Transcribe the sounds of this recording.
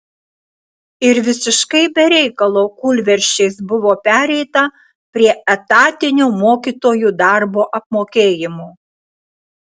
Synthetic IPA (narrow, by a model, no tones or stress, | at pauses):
ɪɾʋʲɪsʲɪʃkɐɪbʲɛɾʲɛɪkɐlˠoːkʊlʲʋʲɛɾʲʃʲt͡ʃʲɛɪsbʊʋoːpʲæːɾʲɛɪt̪ɐ | pʲɾʲiɛɛt̪ɑːt̪ʲɪnʲuːmoːkʲiːt̪oːjuːd̪ɑˑɾboːʔɐp̚moːkʲeːjɪmuː